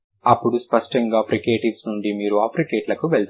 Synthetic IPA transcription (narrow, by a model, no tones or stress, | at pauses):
ɐpːuɽuspɐʂʈɐŋɡaːpʰɾikeːʈiʋsnuɳɖimiːɾuaːpʰɾikeːʈlɐkuʋeɭt̪